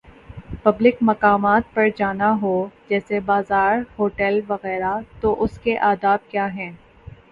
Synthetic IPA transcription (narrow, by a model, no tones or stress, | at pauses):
pɐblɪkmɐkaːmaːt̪̚pɐɾd͡ʒaːnaɦod͡ʒɛːsebaːzaːɾhoːʈɛlʋɐɣɛːɾat̪oʔʊskeʔaːd̪aːb̪̚kjaːɦɛ̃ː